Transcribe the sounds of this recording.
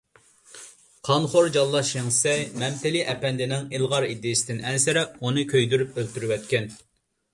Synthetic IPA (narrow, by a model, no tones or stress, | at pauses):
qʰɑnχoɾd͡ʒɑlˠːɑʃeŋsɛjmɛmt̪ɪliʔɛpɛnd̪ɪnɪŋilˠʁɑɾid̪ːɪjsɪd̪ɪnɛnsɪɾɛpunɨkʲʰøjd̪yɾypølt̪yɾywɛt̪kʲɛn